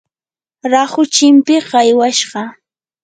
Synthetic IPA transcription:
ɾaχʊt͡ʃɪmpɪɢɑjwaʃɢɑ

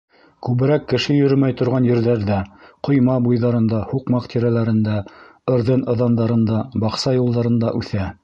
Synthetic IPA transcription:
kʉβɘ̆ɾækːɘ̆ʃɘjɵ̆ɾɵmæjt̪ŏɾʁɑnjɘ̆ɾðæɾðæqŏjmɑbujðɑɾɤ̆nd̪ɑhuqmɑqt̪ʰʲiɾælæɾɘ̆nd̪æ | ɤ̆ɾðɤnɤ̆ðɑnd̪ɑɾɤ̆nd̪ɑbɑqsɑjulˠd̪ɑɾɤ̆nd̪ɑʔʉθæ

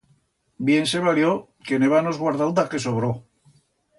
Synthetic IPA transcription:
bje̞nse̞βaljo | kene̞βanozɣwaɾðald̪ake̞s̬oβɾo

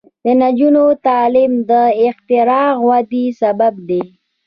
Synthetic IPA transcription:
d̪ənad͡ʒunot̪ɑlimd̪əɪxt̪ɪɾɑɣwad̪isabab̚d̪e

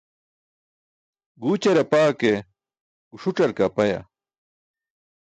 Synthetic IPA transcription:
ɡuːt͡ɕɐɾɐpaːke | kuʂuʈ͡ʂɐɾkapɐja̰

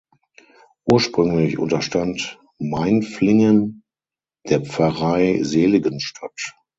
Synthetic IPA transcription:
ʔuːɐʃpʁ̥ʏŋlɪçʔʊ̰ntɐʃtant | maɪnflɪŋən | d̥eːɐp͡fɐʁaɪzeːlɪɡənʃtʰat

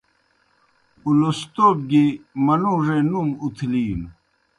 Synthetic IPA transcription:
ulost̪ob̚ɡimɐnuʐenumut̪ʰliːm

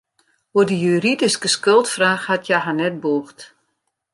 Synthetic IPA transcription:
udəjyridiskəskølˠtfraːxhatʰjaɦanɛt̚buːxt

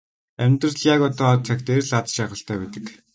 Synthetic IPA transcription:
æmʲt̪rəɮjakɔt̪ɔːt͡sʰækt̪erɮat͡s̪ʃæːχə̆ɬt̪ʰœːpet̪ə̥̆k

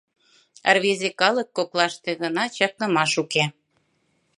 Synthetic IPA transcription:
ə̰rβezekɑlɤ̆kːoklɑʃt̪eɣɤ̆nɑt͡ɕɑk̚nɤ̆mɑʃuke

